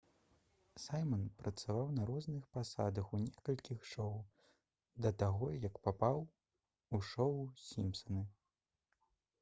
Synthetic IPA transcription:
sajmɐnpɾʔɐt̪savawnɐɾɔznɨxpasa̰d̪ɐxunʲɛkɐlʲkʲixʂɔw | d̪ɐt̪aɣɔjɐkpapaw | uʂɔusʲimpsɐnɨ

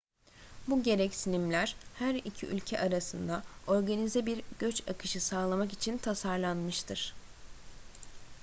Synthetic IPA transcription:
buɟe̞ɾɛcsinimlʲæɾ̥hæɾicʰḭʔy̰lʲcʰɛ̰ʔaɾasɯnd̪ao̞ɾɡanizɛbiɾɟ̥ø̞t͡ʃakʰɯʃɯsaːlˠamakit͡ʃʰint̪ʰasaɾlˠanmɯʃt̪ʰɯɾ̥

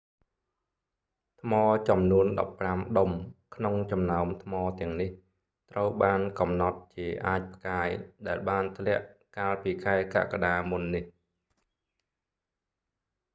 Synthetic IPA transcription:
t̪ʰmɑːt͡ɕɑmnuənɗɑ̰pːramɗomkʰnoŋt͡ɕɑmnaɔmt̪ʰmɑːt̪ɛ̆əŋnih | t̪rəwɓaːnkɑmnɑt̪̚t͡ɕiəʔaːc̚pʰkaːjɗaɛlɓaːnt̪ʰlɛ̆əʔkaːlpiːkʰaɛka̰ʔkaɗaːmunːih

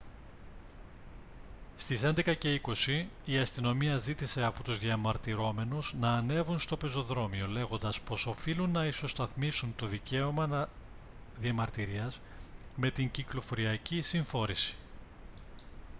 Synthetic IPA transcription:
st̪ise̞nd̪e̞kɐce̞iko̞siːɐst̪ino̞miɐzit̪ise̞ɐpot̪uzðjɐmɐɾt̪iɾo̞me̞nuznɐːne̞vunst̪o̞pe̞zo̞ðɾo̞mio̞le̞ɣo̞nd̪ɐspo̞so̞filunːɐiso̞st̪ɐθmisunt̪o̞ðice̞o̞mɐnɐ | ðiɐmɐɾt̪iɾiɐz | me̞t̪iɲciklo̞fo̞ɾiɐcisiɱfo̞ɾisi̥

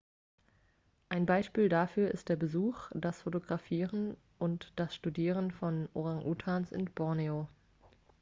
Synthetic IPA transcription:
ʔaɪnbaɪʃpiːldafyːɐʔɪstd̥eːɐbəzuːxd̥asfotoɡʁafiːʁən | ʔʊntd̥asʃtudiːʁ̞ənfɔnʔo̰ʁaŋʔuːtʰaːnsɪ̰nb̥ɔɐneo

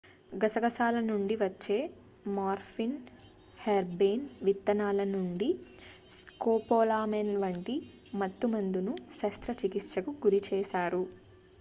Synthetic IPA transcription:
ɡɐsɐɡɐsaːlɐnuɳɖiʋɐt͡ʃːe̞ː | maːɾfʰin | heɾbeːnʋit̪ːɐnaːlɐnuɳɖi | skoːpoːlaːmenʋɐɳʈi | mɐt̪ːumɐnd̪unusɐst̪ɾɐt͡ʃikit̪ʂɐkuɡuɾit͡ʃɛːʃaːɾu

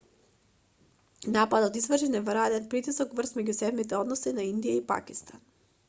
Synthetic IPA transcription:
napad̪aod̪izvr̩ʒinɛvɾad̪ɛnpɾit̪isokvr̩st̪mɛɟusɛd̪mit̪̬ɛod̪nosɛnaind̪ijaipa̰kist̪an

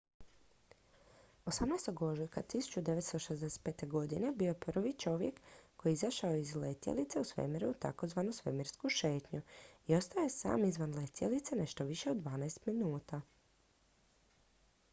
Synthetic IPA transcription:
o̞samnajst̪o̞ɡoʒukat̪isu̥t͡ʃud̪eʋet̪st̪oʃezd̪ese̥t̪̚pe̞ːt̪e̞ɡo̞d̪ine̞biojeprʋit͡ʃo̞ʋjḛkkːo̞jiizaʃaoizlet̪jḛlit̪seusʋḛmiɾut̪a̰ko̞zʋanusʋḛmiɾskuʃe̞ːt̪ɲuio̞st̪aojesa̰ːmizʋanlet̪jelit̪sene̞ʃt̪o̞ʋiʃe̞od̪ʋaːnajst̪minuːt̪a

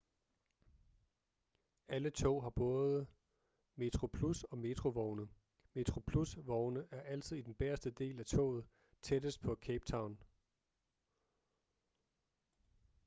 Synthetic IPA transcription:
ælət͡sʰɔ̰ːɦɑ̈b̥ɔ̽ːð̩ˠə | me̝t͡sʰʁo̝pʰlusɒ̽me̝t͡sʰʁo̝ʋɒʊnə | me̝t͡sʰʁo̝pʰlusʋɒʊnəʔæɐʔæl̰t͡sʰiðˠid̥enb̥eɐsd̥əd̥e̝̰ːlæt͡sʰɔ̰ːð̞̩ˠ | t͡sʰed̥əsd̥̚pʰɒ̽kʰeb̥t͡sʰɑ̈ʊn

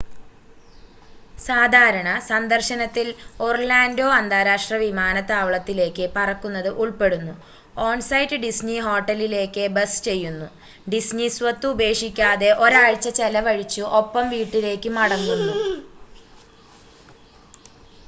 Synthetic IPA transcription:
saːd̪ʱaːɾɐɳɐsɐnd̪ɐrɕɐnɐt̪ːiloːrlaːndo̞ːɐnd̪ʱaːɾaːʂʈrɐʋimaːnɐt̪ːaːʋɐɭɐt̪ːile̞ːkːɨpɐrɐkːunːɐðɨʔuɭpe̞ɽunːu | oːɳsɐjtɨɖisniɦo̞ːʈːɐlile̞ːkːɨbɐsɨ̥t͡ɕe̞jːunːu | ɖisnisʋɐt̪ːube̞ːʂikʲːaːðe̞ʔo̞ɾaːɻt͡ɕːɐt͡ɕelɐʋɐɻit͡ɕːuʔo̞pːɐmʋiːʈːile̞ːkːɨmɐɽɐŋːunːu

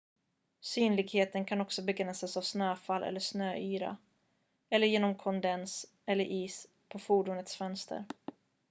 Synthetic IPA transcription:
syːnlɪɡheːt̪ənkʰanɔksɔbɛɡɾɛnsasavsnøːfalʔɛ̰lːəʂnøːʔyːɾa̰ | ɛlːəɾjeːnɔmkʰɔnd̪ɛns | ɛlːəɾʔiːs | pʰɔfuːɖʊːnət̪sfœnst̪ʰə̰ɾ

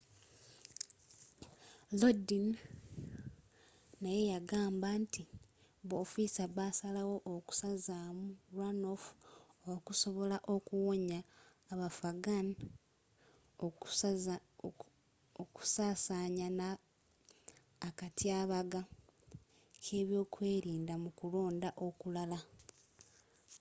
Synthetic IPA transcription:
lodin | naje̞jaɡaːmbanti | βoːfisaβasalawo̞ʔoku̥sazamuɾano̞fu̥okuso̞βo̞laʔokuwoɲaː | βafaɡan | oku̥saːsaɲana | katiaːβaɡa | kʰe̞ːβjo̞ːkwe̞ːɾiːndamukulo̞ːndaʔo̞kulala

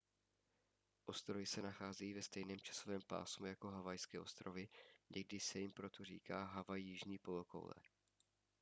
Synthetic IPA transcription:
ʔo̞st̪ɾo̞jɪsɛnaxaːzɛjiːvɛst̪ɛjnɛːmt͡ʃḁsovɛːmpa̰ːsmujako̞ɦavajskɛːʔo̞st̪ɾovɪɲɛɡ̚dɪsɛjɪmpɾo̞t̪ʰorḭːkaːɦavajijɪʒɲiːpo̞loko̰wlɛ̰

